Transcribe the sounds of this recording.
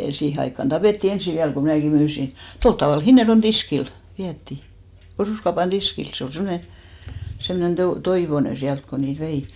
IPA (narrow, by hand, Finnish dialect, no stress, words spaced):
siːhe ɑikːɑn d̥ɑpeˑtːi ensi ʋiæl ko mnæˑki myːsi tolt tɑʋɑˑl hinːerjon tiskil ʋiætːi osuˑskɑupɑn d̥iskil se ol semːone semnen toi toiʋone siælt ko niːt ʋei